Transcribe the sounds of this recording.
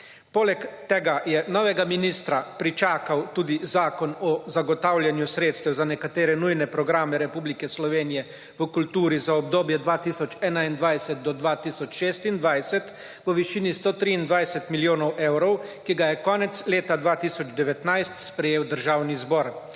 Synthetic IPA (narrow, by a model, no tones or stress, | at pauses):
poːlɛkt̪ɛɡajɛnɔːʋɛɡaminist̪ɾapɾit͡ʃaːkawt̪uːd̪izaːkɔnɔzaɡɔt̪awljanjusɾeːt̪st̪ɛwzanɛkat̪eːɾɛnujnɛpɾɔɡɾaːmɛɾɛpuːblikɛslɔʋeːnijɛ | ʋəkult̪uːɾizaɔb̚d̪oːbjɛd̪ʋaːt̪iːsɔt͡ʃɛːnaind̪ʋajsɛt̪̚d̪ɔd̪ʋat̪iːsɔt͡ʃʃeːst̪ind̪ʋajsɛt̪ | ʋəʋiʃiːnist̪oːt̪ɾiːnd̪ʋajsɛt̪miljoːnɔwʔewɾɔwkiɡajɛkɔːnɛt̪sleːt̪ad̪ʋaːt̪isɔd͡ʒd̪ɛʋɛt̪najst̪spɾɛjeːwd̪əɾʒaːwnizbɔːɾ